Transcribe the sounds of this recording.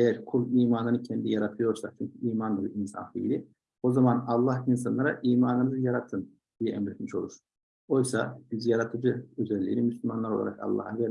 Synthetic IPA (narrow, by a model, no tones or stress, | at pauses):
ejæɾkʰulˠiːmaːnɯnɯcʰɛnd̪ijaɾat̪ʰɯjo̞ɾsakt͡ʃʰyɲcʰyiːmand̪ɯd̪ɯinsa̰nfiilʲi | o̞zamanɑlˠːahinsanlˠaɾaʔiːmaːnɯnɯzɯjaɾat̪ʰɯn | d̪̥ijɛɛmɾɛt̪miʃo̞lˠuɾ | o̞jsa̰bizijaɾat̪ʰɯd͡ʒɯøzɛlʲːḭnimyslymanlˠaɾo̞lˠa̰ɾa̰kɑ̰lˠːɑ̰hvɛ